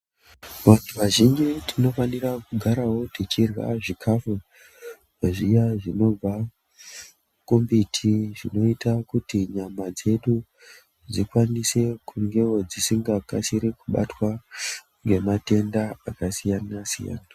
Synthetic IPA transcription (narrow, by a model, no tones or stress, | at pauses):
ʋantuʋaʒind͡ʒitʰino̞fanirakuɡʱaɾawo̞tit͡ʃirwa̰ʐikʰafu | ʐaʐijaʐino̞b͡va | kumbitʰiʐino̞itakutiɲamad͡ze̞ɗu | d͡zikwanise̞kʰuŋɡe̞wo̞d͡zisiŋɡakasiɾekuɓa̰twa | ŋɡe̞mate̞ndaakasijanasḭja̰ːna